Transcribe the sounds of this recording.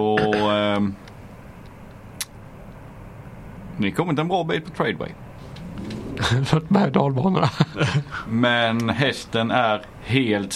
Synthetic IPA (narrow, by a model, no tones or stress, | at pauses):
ɔ | nɪkʰɔmːət̪ːɛnbɾɑːbiːt̪̚pʰɔt̪ʰɾɛɪd̪wɛ̰ɪj | fət̪mhæd̪ɑːlbɑːnəna | mɛnɦɛst̪ənæɾ | heːlt̪